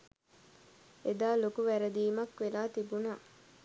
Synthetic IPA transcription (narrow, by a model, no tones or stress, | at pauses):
ed̪aːlokuʋæɾəd̪iːmɐkʋelaːt̪ibunaː